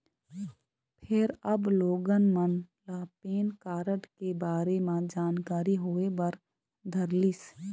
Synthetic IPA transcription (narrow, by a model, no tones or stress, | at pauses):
pʰɪɾɐbloːɡənmən | lapeːnkaːɾəʈkebaːɾemãd͡ʒaːnkaːɾiɦoːebəɾ | d̪ʱəɾlis